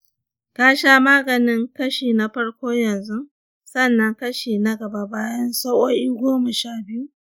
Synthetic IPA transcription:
kaː˦ʃaː˦maː˦ɡɐ˨nɪ˦ŋkɐ˦ʃeː˨na˨ɸɐ˦ɽkʷoː˦jɐ˨nzu˦ | sɐ˦˨nːɐ˦ŋkɐ˦ʃeː˨nɐ˦ɡɐ˨ba˦baː˦jɐ˦nsa˦wʔoː˦ʔiː˦ɡʷoː˦mɐ˨ʃaː˦˨bɪ˦ju˦

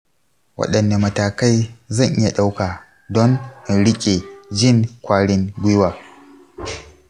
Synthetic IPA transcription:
wɐ̰˦ɗɐ˨nːa˨mɐ˨taː˨ka˦jzɐ˦˨ŋʔɪ˦ja˨ɗa˦wkaː˨ | dɔ˦ŋʔnɽɪ˦kʲʼe˨d͡ʒɪ˦˨ŋkʷaː˦ɽɪ˦ŋɡʷʊ˦waː˨

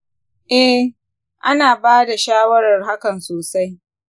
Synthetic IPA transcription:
ʔɛ˦ | ʔa˦naː˨baː˦da˨ʃaː˦wɐ˦ɾɐ˨rɦa˦kɐ˨nsoː˨sa˦j

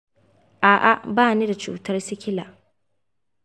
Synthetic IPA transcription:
ʔaː˨ʔa˨baː˦ni˦da˨t͡ʃṵː˨tɐ˦rsɪ˦kʲɪ˦la̰ː˨ʔ

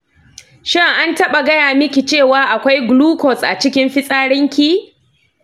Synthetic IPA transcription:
ʃɪ˦ŋʔa˦ntɐ˦ɓa˨ɡɐ˦jaː˨mɪ˦kʲi˨t͡ʃeː˦˨waː˦ʔa˨kʷa˦jɡʊluː˦kɔ˨sʔa̰˨t͡ʃɪ˦kʲɪ˦mɸɪ˦sʼaː˦ɽɪ˦ŋkʲi˦

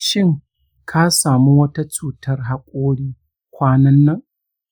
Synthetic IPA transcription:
ʃɪ˦ŋ | kʰa˦saː˨mu˦wɐ˦ta˦t͡ʃuː˨tɐ˦rɦa˦kʷʼoː˦ɽiː˦ | kʷaː˦nɐ˦nːɐ˦ŋ

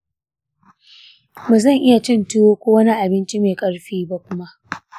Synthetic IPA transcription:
ba˨zɐ˦˨ŋʔɪ˦ja˨t͡ʃɪ˦˨ntʊ˦woː˦kʷoː˦wɐ˦ni˦ʔa˨bɪ˦nt͡ʃi˦meː˨kʼɐ˦ɽɸiː˦ba˦kʷʊ˦ma˦ʔ

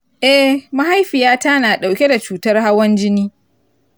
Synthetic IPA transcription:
ʔɛ˦ma˦ɦa˦jɸɪ˨jaː˦ta˦naː˨ɗa˨wkʲe˦da˨t͡ʃuː˨tɐ˦rha˦wɐ˦nd͡ʒɪ˦niː˦

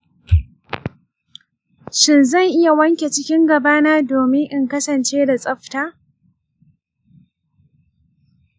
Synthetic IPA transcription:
ʃɪ˦nzɐ˦˨ŋʔɪ˦ja˨wɐ˦ŋkʲe˨t͡ʃɪ˦kʲɪ˦ŋɡɐ˨baː˦naː˦doː˨mɪ˦ŋʔɪ˦ŋkɐ˦sɐ˨nt͡ʃeː˦da˨sʼɐ˦ɸtaː˦

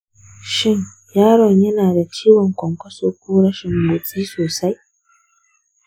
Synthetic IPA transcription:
ʃɪ˦ɲ | jaː˦ɾɔ˨ɲjɐ˦naː˨da˨t͡ʃiː˦wɔ˨ŋkʷɔ˨ŋkʷɐ˦soː˨kʷuː˦ɽɐ˦ʃɪ˨mboː˨sʼiː˦soː˨sa˦j

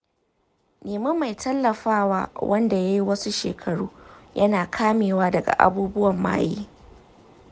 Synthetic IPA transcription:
neː˨mɐ˦mːa˨jtʰɐ˦lːɐ˨ɸaː˦wa̰ː˦wɐ˦nda˨ja˦ji˦wɐ˦su˦ʃeː˨kʰɐ˨ɽuː˦jɐ˦naː˨kʰaː˦meː˨waː˦dɐ˨ɡa̰˨ʔa̰˨buː˦bʊ˦wɐ˨mːa̰ː˦jḭː˦

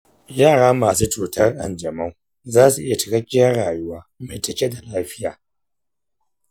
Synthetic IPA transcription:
jaː˦˨ɽaː˦maː˨suː˦t͡ʃuː˨tʰɐ˦rʔa̰˨nd͡ʒɐ˨mɐ˦ŋ | zaː˦su˨ʔɪ˦ja˨t͡ʃɪ̥˨kɐ˦kʲʼːɪ˦jɐ˦rɽaː˨ju˦waː˦ma˨tɐ˨kʲe˦da˨laː˦ɸɪ˦jaː˨

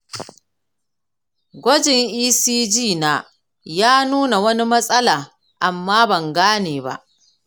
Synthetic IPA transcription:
ɡʷɐ˦d͡ʒɪ˨ŋʔiː˦siː˦d͡ʒiː˦˨naː˦ | jaː˦nuː˦na˨wɐ˦ni˦mɐ˦sʼɐ˦laː˨ | ʔa˨mːaː˦bɐ˨ŋɡaː˦neː˨ba̰˦ʔ

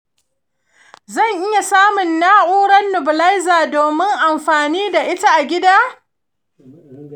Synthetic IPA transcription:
zɐ˦˨ŋʔɪ˦ja˨saː˦mʊ˨nːaː˦ʔuː˦ɽɐ˦nːʊ˨bʊ˨lɐ˦jzaː˨doː˨mɪ˦ŋʔa˨mɸaː˨niː˦da˨ʔɪ˦ta˦ʔa˨ɡʲɪ˦daː˦

